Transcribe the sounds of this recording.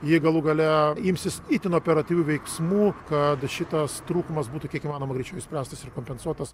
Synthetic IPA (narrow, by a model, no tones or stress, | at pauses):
jɪɡɐlˠuɡɐlʲɛɪmʲsʲɪsit̪ʲɪnoːpʲɛɾɐt̪ʲiːʋʲuːʋʲɛɪksmuːkɐt̪ʃʲɪt̪ɐst̪ɾuːkʊmɐsbuːt̪ukʲiɛkimɑːnoːmɐɡɾʲɛt͡ʃʲɛʊɪsʲpʲɾʲæːst̪ɐsɪrkoːmʲpʲɛnsuɔt̪ɐs